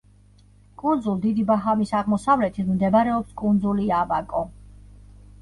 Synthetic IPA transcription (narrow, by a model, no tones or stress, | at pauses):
kʼund̪zulˠd̪id̪ibaɦamisaʁmɔsavlɛt̪ʰit̪ʰmd̪ɛbɾɛɔpskʼund̪zuliabakʼɔ